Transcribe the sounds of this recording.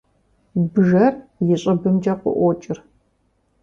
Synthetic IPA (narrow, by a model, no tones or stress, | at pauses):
bɨʒɐrjɪɕʼɐbɨmd͡ʒɐqʷʼʊ̰ʔʷɔt͡ʃʼɪr